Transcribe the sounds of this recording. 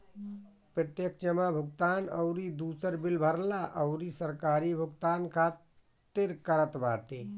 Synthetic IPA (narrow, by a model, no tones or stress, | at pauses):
pɾət̪jəkd͡ʒəmabʱuɡ̚t̪anə̰ʊɾid̪usəɾbilbʱəɾlaʔəʊɾisəɾkaɾibʱuɡt̪ankʰat̪ | t̪ːeɾkəɾət̪baʈe